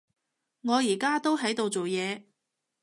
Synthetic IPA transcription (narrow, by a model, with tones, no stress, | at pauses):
ŋɔː˨˧jiː˨˩kaː˥t̪o˥wɦɐ˨˥jt̪o˨wt͡so˨wjɛː˨˧